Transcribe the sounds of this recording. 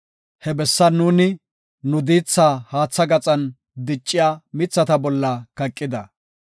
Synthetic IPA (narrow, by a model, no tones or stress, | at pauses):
hɛbɛsːɐnuːnɪ | nʊd̪iːt͡sːaːhaːt͡sːɐɡɐt͡sʼɐn | d̪ɪt͡ʃʼːɪjaːmɪt͡sːɐt̪ɐbɔlːɐkɐkʼːɪd̪ɐ